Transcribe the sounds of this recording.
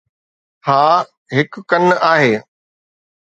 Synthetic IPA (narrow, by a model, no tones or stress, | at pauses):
haː | ɦɪkkɐnaːɦeː